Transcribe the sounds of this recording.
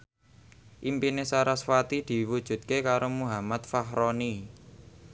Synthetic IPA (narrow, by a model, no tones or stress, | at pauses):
ʔimpinesaɾasfat̪id̪̥i̤wud̥ʒ̥ṳt̪̚kekaɾomuɦamat̪̚faɦɾoni